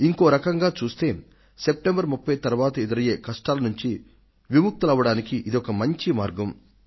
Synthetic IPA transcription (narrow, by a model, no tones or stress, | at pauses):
iŋkoːɾɐkɐŋɡaːt͡ʃuːst̪e̞ː | sep̚ʈembɐɾmupːɐjt̪ɐɾuʋaːt̪ɐed̪ɐɾɐje̞ːkɐʂʈaːlɐnuɲt͡ʃi | ʋimuk̚t̪ɐlɐʋɐɽaːnikiʔid̪iɔkɐmɐɲt͡ʃimaːɾɡɐm